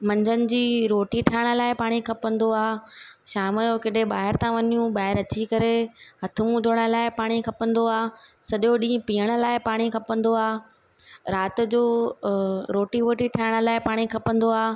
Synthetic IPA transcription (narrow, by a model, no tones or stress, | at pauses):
mɐ̃ɲd͡ʑənɪ̆d͡ʑiːɾoːʈiʈʰaːɪɽ̃ə̆laːɪpaːɽ̃ikʰɐpə̃nd̪oaːʃaːmd͡ʑoːkeɗeɓaːɦɪɾt̪ʰãʋɐɲijũɓaːɦɪɾɐt͡ɕikɐɾehɐt̪ʰʊmũd̪ʱʊɽ̃ə̆laːɪpaːɽ̃ikʰɐpə̃nd̪oaːsɐɗoɗĩːə̃piːəɽ̃ə̆laːɪpaːɽ̃ikʰɐpə̃nd̪oaː | ɾaːt̪̆d͡ʑoː | ɾoːʈiʋoːʈiʈʰaɪɽ̃ə̆laːɪpaːɽ̃ikʰɐpə̃nd̪oaː